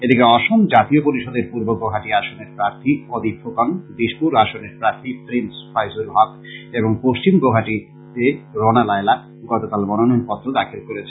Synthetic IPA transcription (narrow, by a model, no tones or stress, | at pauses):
ed̪ikeɔʃomd͡ʑat̪iopoɾiʃɔd̪eɾpuɾbobɾoɦaʈiaʃoneɾpɾaɾt̪ʰiɔd̪ʱipʰokaŋd̪iʃpuɾaʃoneɾpɾaɾt̪ʰipɾinsfʰajsulɦɔk̚ | eboŋpoʃt͡ɕimbɾoɦaʈi | t̪eɾonalaela | ɡɔt̪okalmɔnononpɔt̪ːɾod̪akʰilkoɾet͡ɕʰe